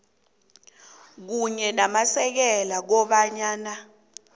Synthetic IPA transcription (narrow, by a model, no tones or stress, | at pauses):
k̬uɲɛnamasɛk̬ɛlak̬ɔɓaɲaːna